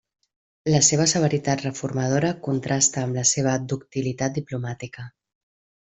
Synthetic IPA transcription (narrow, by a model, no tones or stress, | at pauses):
ləseβ̞əsəβ̞əɾit̪at̪rəfurmað̞oɾəkunt̪ɾʔast̪əːmləseβ̞əd̪uk̚t̪ilit̪at̪̚d̪iplumat̪ikə